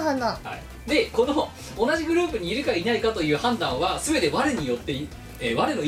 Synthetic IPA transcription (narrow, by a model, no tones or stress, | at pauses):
ɦanãha̰ḭ | d̪e̞ko̞noː | naʑiɡɯ̟ɾɯ̟ːpɯ̟ɲ̟iːɾɯ̟kainaikat̪o̞jɯ̟ːhãnd̪ãɰ̃βasɨbe̞t̪e̞βaɾɯɲ̟ijo̞t̪ːe̞i | eβaɾɯno